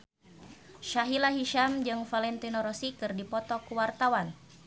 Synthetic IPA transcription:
ʃaɦilaɦiʃamd͡ʒɨŋfalɛnt̪inɔɾɔsikɨrdipɔt̪ɔkuwart̪awan

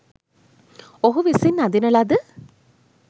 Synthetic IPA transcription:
oɦuʋisinːad̪inɐlad̪ə

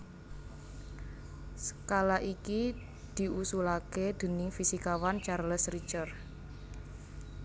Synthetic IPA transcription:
sə̥kalaʔiki | d̪̥i̤usulaked̪̥ə̤nɪŋfisikawant͡ʃarləsrit͡ʃər

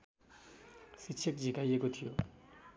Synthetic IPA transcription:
sit͡ʃʰʌkd͡zʱikajekot̪ʰijo

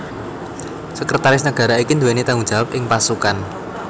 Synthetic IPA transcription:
səkɾət̪aɾɪsnəɡ̥ä̤ɾaikind̪uwenet̪aŋuŋ̥ʒ̥a̤wap̚ʔɪŋpasukan

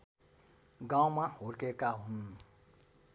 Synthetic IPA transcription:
ɡãw̃maɦoɾkekaɦun

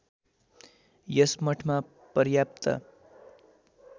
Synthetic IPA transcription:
jʌsmʌʈʰma | pʌɾjapt̪ʌ̰

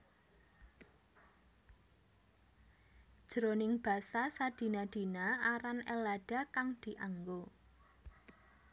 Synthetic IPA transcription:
d̥ʒ̥ɾonɪŋb̥a̤sasad̪̥i̤nad̪̥i̤naaɾanɛlaɖ̥a̤kaŋd̪̥i̤ʔaŋɡo

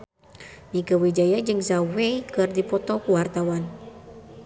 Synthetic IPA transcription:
niɡəwid͡ʒajad͡ʒɨŋzawejkɨrdipɔt̪ɔkuwart̪awan

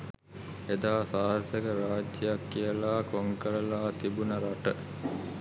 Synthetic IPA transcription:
ed̪aːsaːɾt̪əkəɾaːd͡ʒjəjakːijəlaːkoŋkəɾəlaːt̪ibunəɾaʈə

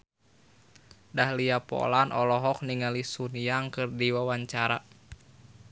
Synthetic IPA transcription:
dahliapɔ̰lanʔɔlɔɦɔk̚niŋalisunijaŋkɨrdiwawaɲt͡ʃaɾa

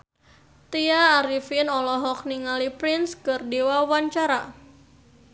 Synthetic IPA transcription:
t̪iaːɾifinɔlɔɦɔk̚niŋalipɾɪnskɨrdiwawaɲt͡ʃaɾa

